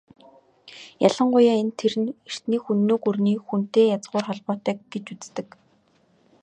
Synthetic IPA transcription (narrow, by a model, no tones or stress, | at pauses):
jaɮə̆ɴɢʊjaːent̪ʰeɾɘ̆ner̥t̪niːxunːoːkurniːxun̥t̪eːjat͡sɢʊːrχɔɮpɔːt̪œːkɡet͡ɕut͡st̪ɘ̆k